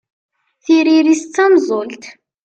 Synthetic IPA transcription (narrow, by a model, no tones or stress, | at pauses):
θiɾiɾist͡sːæmzˤolt̪